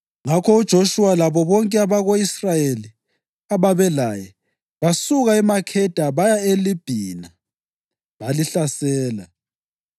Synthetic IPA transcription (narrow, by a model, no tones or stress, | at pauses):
ŋakʰɔud̥ʒ̥ʱoʃualaβɔβɔŋkʼɛaβaɣoisrajeli | aβaβɛlajɛ | βasuɣaimakʰɛd̥ʱaβajaelib̥ʱiːna | βaliɬasɛːla